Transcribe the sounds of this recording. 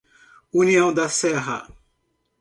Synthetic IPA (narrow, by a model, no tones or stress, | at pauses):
uniɐ̃w̃d̪ɐsɛɦɐ̰